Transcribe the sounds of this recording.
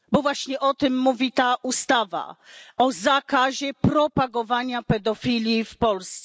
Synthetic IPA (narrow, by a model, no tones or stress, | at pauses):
bɔvwaɕɲɛʔɔt̪ɘmːuvʲit̪aʔust̪ava̰ɔzakaʑɛpɾɔpaɡɔvaɲapɛd̪ɔfʲilʲifpɔlst̪sɛ